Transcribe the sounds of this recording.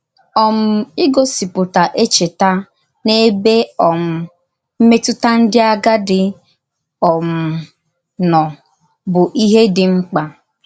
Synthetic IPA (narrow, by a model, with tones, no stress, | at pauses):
ɔ˨m̩˨˦i˦ɡo˦si˨pʊ˨ta˨ʔe˦t͡ʃe˨ta˦ | ne˦be˦ɔ˨m̩˨ | m̩˦me˦tʊ˦ta˦n̩˦dɪ˦a˦ɡa˦dɪ˦ | ɔ˨m̩˨ | nɔ˨ | bʊ˨ʔi˦ɦe˦dɪ˨ŋ͡m̩˦k͡pa˨